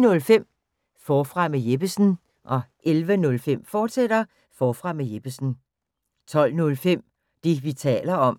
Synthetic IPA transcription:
nɔ̽lfem̰ | fɒːfʁɑ̈mejeb̥əsn̩ | ʔɒ̽ʔelʋənɔ̽lfem̰fɒːd̥sed̥ɐ | fɒːfʁɑ̈mejeb̥əsn̩ | t͡sʰɒ̽l̰nɔ̽lfem̰ | d̥e̝ʋit͡sʰɛ̰ːlɐɒ̽m

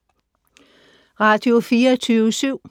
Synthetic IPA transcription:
ʁɑ̈ːd̥io̝fiːɐt͡sʰyːʋəsyʊ̰

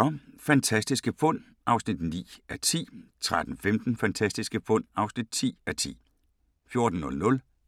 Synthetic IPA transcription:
ɒfænt͡sʰæsd̥isɡ̥əfɔ̽n̰ | ʔɑ̈ʊsnid̥nḭːæt͡sʰḭːt͡sʰʁad̥n̩femd̥n̩fænt͡sʰæsd̥isɡ̥əfɔ̽n̰ɑ̈ʊsnid̥̚t͡sʰḭːæt͡sʰḭː | fjo̝ɐd̥n̩ːɔ̽lnɔ̽l

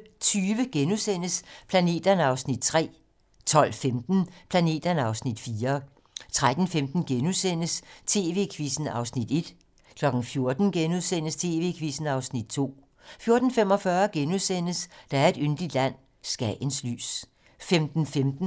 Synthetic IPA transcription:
t͡sʰyːʋəɡ̥enuðˠsen̰əspʰlæne̝̰ːd̥ɐnɑ̈ʊsnid̥̚t͡sʰʁɛ̰ː | t͡sʰɒ̽l̰femd̥n̩pʰlæne̝̰ːd̥ɐnɑ̈ʊsnid̥fiːɐ | t͡sʰʁad̥n̩femd̥n̩ɡ̥enusen̰əst͡sʰe̝ːʋe̝̰kʰʋisn̩ɑ̈ʊsnid̥e̝d̥ | kʰlɒ̽ɡ̥n̩fjo̝ɐd̥n̩ɡ̥enuðˠsen̰əst͡sʰe̝ːʋe̝̰kʰʋisn̩ɑ̈ʊsnid̥̚t͡sʰo̝̰ː | fjo̝ɐd̥n̩fem̰ɒ̽fɶːɐɡ̥enuðˠsen̰əsd̥ɑ̈æɐe̝d̥ynd̥lid̥læn̰ | sɡ̥ænsly̰ːs | femd̥n̩femd̥n̩

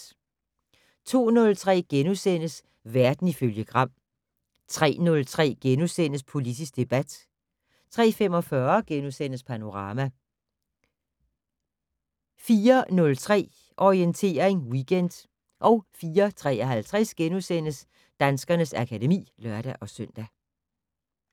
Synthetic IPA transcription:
t͡sʰo̝̰ːnɔ̽lt͡sʰʁɛ̰ːɡ̥enusen̰əs | ʋæɐd̥n̩iføljəɡ̥ʁɑ̈m̰ | t͡sʰʁɛ̰ːnɔ̽lt͡sʰʁɛ̰ːɡ̥enusen̰əspʰo̝lid̥ʰisɡ̥̚d̥e̝b̥æd̥ | t͡sʰʁɛ̰ːfemɒ̽fɶɐɡ̥enusen̰əspʰæno̝ʁɑ̈ːmæ | fiːɐnɔ̽lt͡sʰʁɛ̰ː | ʔɒʁient͡sʰe̝̰ːɐʁeŋwiɡ̥end̥ | ʔɒ̽ʊfiːɐt͡sʰʁɛ̰ːɐɦælt͡sʰʁɛsɡ̥enusen̰əs | d̥ænsɡ̥ɐnəsækʰæde̝mḭːlɶɐɾ̥æʔɒ̽sœn̰d̥æ

